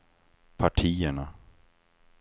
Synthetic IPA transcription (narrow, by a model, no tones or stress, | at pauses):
pʰaʈʰiːəɳa